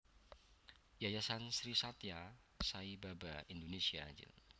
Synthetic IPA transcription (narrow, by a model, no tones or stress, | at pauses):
jajasansɾisat̪ja | saibabaindonesiad͡ʒɪ̰l